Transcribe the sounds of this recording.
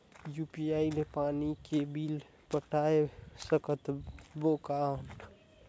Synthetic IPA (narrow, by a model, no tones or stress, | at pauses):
jupiailepanikebil | pəʈaesəkət̪bokawnʈ